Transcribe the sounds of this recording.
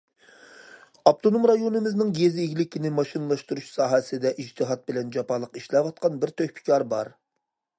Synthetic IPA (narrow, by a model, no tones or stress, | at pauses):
ɑp̚t̪ʰonomɾɑjonɨmɪznɪŋɡʲezeɡʲlɪkʲʰinɪmɑʃinɨlˠɑʃt̪uɾuʃsɑːɦɛsɪd̪ɛʔid͡ʒt̪ʰɨɦɑt̪̚bɪlɛnd͡ʒɑpʰɑlˠəqiʃlɛvɑt̪̚qʰɑnbɪɾt̪ʰøhpʰɪ̥kʲɑɾbɑɾ